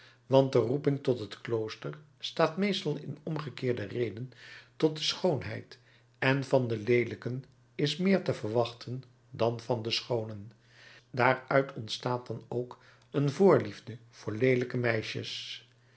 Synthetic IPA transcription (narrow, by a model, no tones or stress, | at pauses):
ʋɑnt̚dərupɪŋtɔtɦətklowstəɹ | staːtmejstɑlˠɪnɔmχəkɪːɹdərejdəntɔt̚dəsχownɦɛ̰jt | ɛnvɑndəlejləkən | ɪsmɪːɹtəvəɹʋɑχtʰən | dɑnv̥ɑndəsχownən | daːɹœɥtʰɔntstaːtd̥ɑnowk | ənvʊːɹlivdəv̥ʊːɹlejləkəmɛjʃə̰s